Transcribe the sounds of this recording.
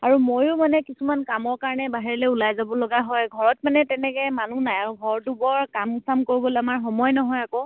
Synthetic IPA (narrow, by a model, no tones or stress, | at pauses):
aɹumojʊmanɛkisumankamɔɹkaɹɔnɛbaɦiɹilɛulajzabɔloɡaɦɔjɡʱɔɹɔtmanɛtɛnɛkɛmanunajaɹuɡʱɔɹtubɔɹkamusamkoɹibolamaɹxɔmɔjnɔɦɔjako